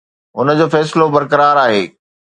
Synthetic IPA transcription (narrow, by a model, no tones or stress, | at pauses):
ʊnə̆d͡ʑoːfɛːs̬ɪlobɐɾkɐɾaːɾaːɦeː